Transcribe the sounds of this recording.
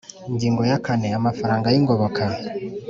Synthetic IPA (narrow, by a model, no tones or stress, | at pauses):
iɲɟiːŋɡojakaneamafaɾaːŋɡajiŋɡoβokʰa